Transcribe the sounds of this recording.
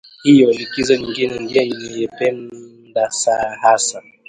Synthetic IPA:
hijɔlikizɔɲiŋɡinɛndiɛninijɛpɛnndasahasa

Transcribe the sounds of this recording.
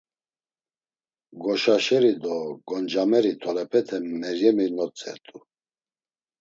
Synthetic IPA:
ɡɔʃaʃɛɾid̪ɔɡɔnd͡ʒamɛɾit̪ʰɔɾɛpʰɛt̪ʰɛmɛɾjɛminɔt͡sʼɛ̰ɾt̪ʼu

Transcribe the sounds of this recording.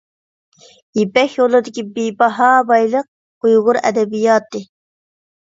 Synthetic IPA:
ipɛxjolˠɨd̪ɪkʲibiːbɑɦɑːbɑjlˠɨq̚ | ujʁʊɾɛ̰d̪ɛbijɑːt̪ɨ

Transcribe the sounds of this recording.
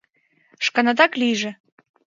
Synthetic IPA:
ʃkɑnɑd̪ɑklijʒĕ

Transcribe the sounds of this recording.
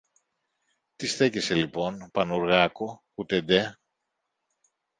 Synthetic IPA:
t̪isθe̞cese̞lipo̞npɐnuɾɣɐko | ut̪e̞d̪e

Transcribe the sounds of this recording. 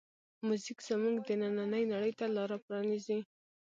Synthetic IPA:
muzikz̥əmuɡd̪ənananəjnaɽəjt̪alɑɾapɾɑnizi

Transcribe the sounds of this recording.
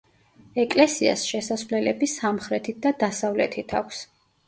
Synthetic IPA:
ɛkʼlɛsia̰sʃɛsasvlɛlɛbisamχɾɛt̪ʰit̪̚d̪ad̪asavlɛt̪ʰit̪ʰakʷʰs

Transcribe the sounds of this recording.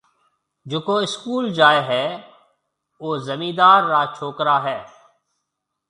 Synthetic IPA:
d͡ʒoːkoːɪskuːld͡ʒaːeːɦɛː | oːzəmĩːd̪aːɾːaːt͡ʃʰoːkɾaːɦɛː

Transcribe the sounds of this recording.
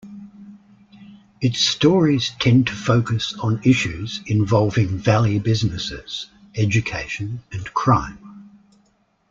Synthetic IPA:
ɨtstɔːɹiz̥tʰɛ̃ntʰəfəʊkəsn̩ɪʃʉz̥ɪ̃ɱvɒlˠvɪ̃ŋvælˠjʉbɪznɨsɪ̰z̥ | ɛd͡ʒɨkʰeɪʃɨ̃nɨ̃nkʰɹ̥ɑ̃ɪ̃m

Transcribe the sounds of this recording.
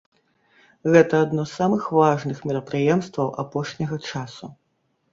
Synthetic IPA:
ɣɛt̪ɐːd̪nɔsːamɨxvaʐnɨxmʲɛɾɐpɾɨjɛmst̪vɐwʔapɔʂnʲɐɣɐt͡ʂasu

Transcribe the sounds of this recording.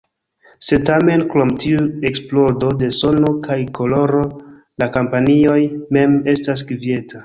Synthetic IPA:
se̞tame̞nkɾo̞mtiueksplo̞do̞de̞so̞no̞kʰajkʰo̞lo̞ɾo̞ | lakampanio̞jme̞me̞stas̬ɡvie̞tʰa

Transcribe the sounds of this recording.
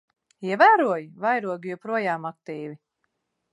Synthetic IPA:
iɛvæːɾuɔjvajɾuɔɡijɔpɾuɔjaːmak̚t̪iːvi

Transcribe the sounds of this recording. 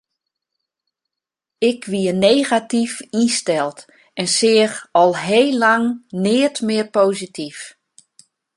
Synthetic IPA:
ɪkʰʋiəneːɣatifistɛlˠt | ɛnsɪːəxɔlˠɦeːlaŋnɪətmɪərpoːzitif

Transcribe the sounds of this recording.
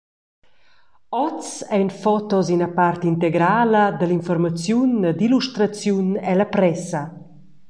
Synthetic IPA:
ɔt͡sɛjnfɔt̪ɔzinapart̪int̪eɡɾaləd̪əlinfɔrmat͡sjund̪iluʃt̪ɾat͡sjunɛlapɾɛsɐ

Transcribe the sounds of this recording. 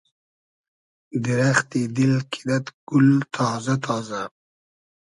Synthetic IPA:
d̪ɪɾaxt̪id̪ɪlkʰi̥d̪at̪ɡ̥ʊlt̪ʰɑːzat̪ʰɑːza

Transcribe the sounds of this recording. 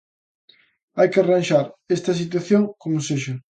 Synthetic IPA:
ajkɪaranʃaɾest̪ɐs̬it̪̬waθjoŋkomʊseʃɐ

